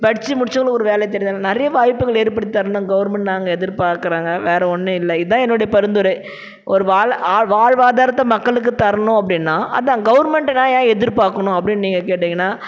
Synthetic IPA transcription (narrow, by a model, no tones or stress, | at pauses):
pɐɽɪt͡ʃːɯmʊɽɪt͡ʃːɐɡɐɭɔɾɯʋeːlɛjt̪̬ɛɾɪ̃d̪ːaːnɐɾɐjɐʋaːjpːɯɣɐɭeːɾpɐɽɪɪt̪ɐɾɐnd̪ɐɡɐʋɐɾmɛɳʈnaːŋɡɐɛðɪɾpaːɾkɯɾaːŋɡɐʋeːɾɛɔnːɯɪlːɐɪðãːɛnːɔɽɐjɐpɐɾɯnd̪ɔɾɯ | ʔɔɾɯʋaːɭaːɻʋaːɻʋaːðaːɾɐt̪ːɐmɐkːɐɭɯkːɯt̪ɐɾɐɳʊ̃ɐpːɽɪnːãːʔɐ̰ðãːɡɐʋɐɾmɛɳʈnaːjãːɛðɪɾpaːɾkːɐɳʊ̃ɐpːɐɽɪnniːŋɡɐk̬eːʈːɪŋɡɐnːaː